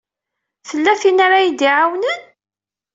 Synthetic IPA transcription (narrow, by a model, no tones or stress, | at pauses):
θəlːæθinaɾajid̪iʕawnən